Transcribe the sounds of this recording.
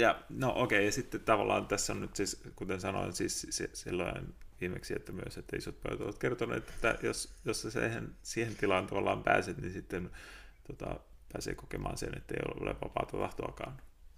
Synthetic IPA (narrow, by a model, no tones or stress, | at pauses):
jɑnoʔokeijɑsit̪ːett̪ɑʋɑlːˑɑːnt̪æsːonnyt̪siskut̪ensɑno̰insiːssissilːoinʋiːmeksiet̪ːæmyøset̪ːæisot̪̚pø̰it̪o̰ʋɑt̪kert̪onḛːt̪e̥t̪ːæjosjosːɑsḛhensiːhent̪ilɑːnt̪ɑʋɑlːɑːmpæːset̪ninsit̪ːent̪ot̪ɑ̰pæːsḛːkokemʔɑ̰ːnsḛnḛt̪ːeio̰lo̰lḛʋɑpɑ̰ːt̪ɑt̪ɑht̪oɑkɑːn